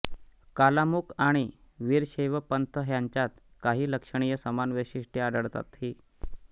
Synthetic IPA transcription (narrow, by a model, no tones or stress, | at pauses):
kalamukaɽ̃i | ʋiːɾɕeʋəpənt̪ʰəɦjaɲt͡ɕjat̪ | kaɦiːləkʂəɳ̃ijəsəmanʋiɕiʂʈiad̪əɭt̪a̰t̪hiː